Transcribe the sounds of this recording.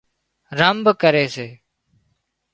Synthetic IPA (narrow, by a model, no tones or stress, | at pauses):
ɾəmbkəɾeːseː